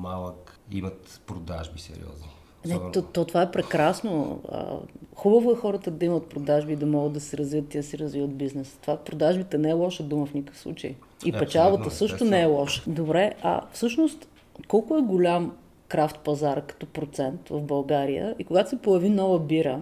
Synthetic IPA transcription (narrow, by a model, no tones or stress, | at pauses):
malˠəkḭmɐt̪pɾod̪a̰ʒbisɛ̰ɾḭɔ̰zni | nɛt̪ɔt̪ːɔt̪ovaɛpɾɛkɾasnoə̰xubəvʊɛxɔɾət̪əd̪ɐimət̪̚pɾod̪aʒbiːd̪ɐmɔɡəd̪d̪ɐsɛɾɐzviət̪ːid̪əsɛɾəzvivət̪̚biznɛst̪ovapɾod̪aʒbit̪ənɛɛlˠɔʃəd̪uməfnʲikə̥fslˠṵt͡ʃə̰j | ipɛt͡ʃalˠbətt̪əsɤʃtt̪ʊnɛɛlˠɔʃə̥d̪obɾɛʔɐ̰fsɤʃnost̪ | kɔlˠkʊɛɡʊlʲam | kɾaft̪̚pɐzaɾkɐ̥t̪ɔpɾot̪sɛnt̪vəfbɐlˠɡaɾijə̰ikoɡat̪ʊ̥sɛpojɐvinɔvəbiɾə